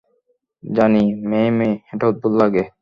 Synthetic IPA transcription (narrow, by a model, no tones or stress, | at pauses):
d͡ʑanimemeeʈat̪̚bulːaɡe